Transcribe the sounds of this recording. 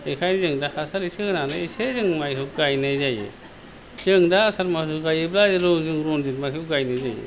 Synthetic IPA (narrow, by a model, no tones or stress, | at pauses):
ekʰajnzɯŋdahasaɾisɯɡɯnanɯisezɯŋmajɦɯɡajnɯjzajɯ̰ | z̥ɯŋdaːsaɾmas̬uɡajɯblaɾɔzɯŋɾɔnditmaɦiɡajnɯjzajḛ